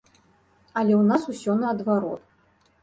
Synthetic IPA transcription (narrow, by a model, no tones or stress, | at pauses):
ɐlʲɛwnasusʲɔnɐːd̪vaɾɔ̰t̪